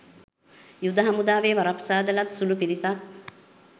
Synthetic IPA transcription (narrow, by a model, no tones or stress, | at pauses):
jud̪ɐɦɐmud̪aːʋeːʋaɾapsaːd̪ɐlat̪sulupiɾisak̚